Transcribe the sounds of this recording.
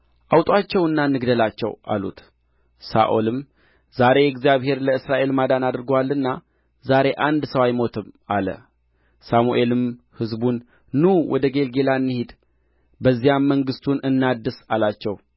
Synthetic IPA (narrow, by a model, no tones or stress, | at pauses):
ʔawt̪ʼwat͡ʃːɛwɨnːanːɨɡd̪əlat͡ʃːɛ̰wʔa̰lṵt̪ | sa̰ʔo̞lɨm | z̥aɾe̞jɛɡzijaβhe̞ɾləɨsɾaʔe̞lmad̪anad̪ɾɡwalːɨnːa | zaɾe̞ʔand̪səwajmo̞t̪ʰɨmalə̰ | samuʔe̞lɨm | hɨzbunː | uwʔɔ̰d̪əɡe̞lɡe̞laɨnːɨhid̪ | bəzːijamːəŋɡɨst̪ʰunɨnːad̪ːɨsalat͡ʃːɛw